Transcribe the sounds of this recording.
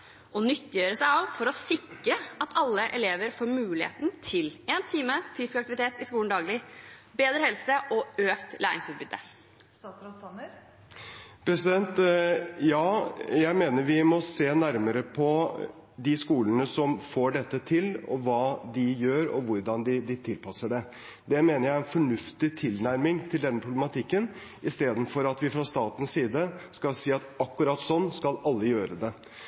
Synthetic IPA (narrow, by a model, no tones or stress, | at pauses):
ɔnʏt̪ːɪjøːɾəsæɪɑʋfɔɾɔsɪkɾəɑt̪ʰɑlːəʔɛleːʋəɾfoːɾmʉːlɪhḛːt̪nt̪ʰɪleːnt̪ʰiːməfyːsɪ̥skɑkt̪ɪʋɪt̪ʰeːt̪ɪskuːənd̪ɑːɡlɪbeːd̪ɾəhɛlsəʔɔøːkt̪læ̰ːɾɪ̰ŋsʉːt̪̚bʏd̪̥ːə | pʰɾɛsɪd̪ɛnt̪jɑːjæɪmeːnəɾʋɪmɔseːnæɾməɾəpʰɔ | d̪ɪskuːlənəsɔmfoːɖɛt̪ːət̪ʰɪlɔ̰ʋɑːd̪ɪjøːɾɔ̰ʋʊɾɖɑnd̪ɪd̪ɪt̪ʰɪlpʰɑsəɖɛ | d̪ɛmeːnəɾjæɪɛnfɔɳʉft̪ɪt̪ʰɪlnæɾmɪŋt̪ʰɪld̪ɛnːəpʰɾʊblɛmɑt̪ʰɪkːən | ɪst̪eːd̪n̩fɔɾɑt̪ʋɪfɾɑst̪ɑːt̪ən̩ssiːd̪əskɑlsiːɑt̪ɑkːʉɾɑt̪sɔnːskɑlɑlːəjøːɾəd̪ɛ